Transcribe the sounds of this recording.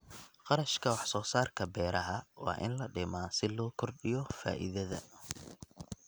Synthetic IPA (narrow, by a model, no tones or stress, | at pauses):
qɑɾɐʃkʰɐwɑħsɔːsaːrkʰɐbɛːɾʔɐɦɐwɑ̰ːʔɪ̰nlɐɖɪmaːsɪlɔːkʰɔrɖɪjɔfa̰ːʔḭðɐðɐ̰